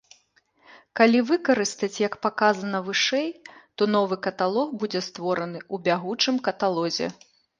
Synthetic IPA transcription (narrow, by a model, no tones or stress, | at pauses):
kalʲivɨkɐɾɨst̪ɐt͡sʲjɐkpakazɐnɐvɨʂɛjt̪ɔnɔvɨkɐt̪alˠɔxbud͡zʲɛst̪vɔɾɐnɨubʲaɣut͡ʂɨmkɐt̪alˠɔzʲɛ̰